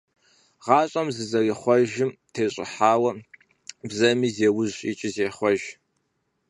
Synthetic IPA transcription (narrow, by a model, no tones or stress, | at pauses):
ʁɑːɕʼɐmzɨzɐriχʷɔʒɪmtʰeːɕʼɪ̰ħaːwɐ | bzɐmiːzeːwʊzɕʼḭt͡ʃʼɪzeːχʷɔʒ